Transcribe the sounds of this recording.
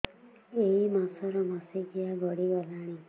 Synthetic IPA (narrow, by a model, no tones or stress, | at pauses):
eɦimasɔɾɔmasekijaɡʱɔɽiɡɔlaɽ̃i